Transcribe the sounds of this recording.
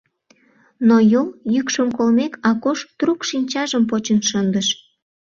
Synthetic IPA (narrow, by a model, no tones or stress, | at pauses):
nojoljykʃəmkolmekɑkoʃt̪rukʃinʲt͡ɕɑʒəmp̬ot͡ɕənʃənd̪əʃ